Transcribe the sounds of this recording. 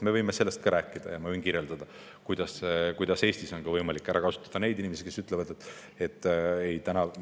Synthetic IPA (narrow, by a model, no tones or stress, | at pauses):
me̞vɤjmese̞lːe̞st̪̚kɑɾʔæːkːid̪̥ɑ̰jɑmɑyinkiɾjeld̪̥ɑd̪̥ɑ | kujd̪̥ɑskujd̪̥ɑse̞ːst̪iso̞nɡɑvɤjmɑlikːˑæɾʔɑ̰kɑsu̥t̪ːˑɑd̪̥ɑne̞jd̪inimesi̥ke̞syt̪ˑle̞vɑd̪et̪ːˑ | e̞t̪ˑːe̞jt̪ænɑ